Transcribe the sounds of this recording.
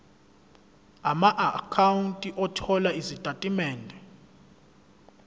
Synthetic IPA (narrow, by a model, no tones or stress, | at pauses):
amaʔakʰawuntʼiʔɔtʰɔlaizid̥ʱʼatʼimɛːndʱɛ